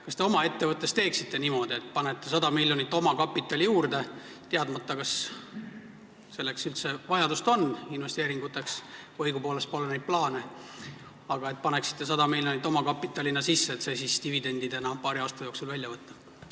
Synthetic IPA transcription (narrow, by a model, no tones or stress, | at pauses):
kɑst̪e̞o̞mɑe̞t̪ːe̞vɤt̪ːˑe̞st̪e̞ːksit̪ːe̞nimo̞d̪̥ie̞t̪̚ːˑpɑnet̪ːe̞sɑd̪ɑmilʲːjo̞nit̪ːˑo̞mɑkɑpːˑit̪ːˑɑlʲijuːrd̪e̞ | t̪eɑd̪mɑt̪ːɑkɑs | se̞lːe̞ksylt̪se̞vɑjɑd̪ust̪o̞nːinve̞st̪e̞ːɾiŋɡut̪ːˑe̞ksɤjɡ̥upo̞ːle̞st̪̚po̞lene̞jd̪̚plɑːne̞ | ɑɡ̥ɑe̞t̪̚pɑneksi̥t̪ːe̞s̬ɑd̪ɑmilʲjo̞nit̪ːˑo̞mɑkɑpːit̪ːˑɑlʲinɑsisːeːt̪sejsist̪ivid̪e̞nʲd̪̥id̪enɑpɑːɾiɑːst̪ɑjo̞ksulvælʲjɑvɤt̪ːɑ